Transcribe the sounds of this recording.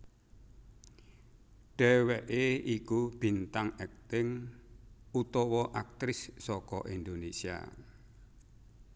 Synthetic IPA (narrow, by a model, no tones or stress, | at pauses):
ɖ̥ɛwɛʔeikub̥int̪aŋɛk̚t̪ɪŋ | ut̪ɔwɔʔak̚t̪ɾɪsːɔkɔ̰ʔind̪onesia̰